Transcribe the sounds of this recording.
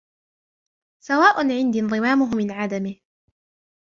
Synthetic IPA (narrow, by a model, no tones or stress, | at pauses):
sawaːʔʊnʕɪnd̪ind̪ˤɨmaːmʊɦʊmɪnʕad̪amɪh